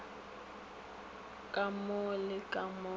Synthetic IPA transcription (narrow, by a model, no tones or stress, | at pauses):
kʼamʊlɪkʼamʊ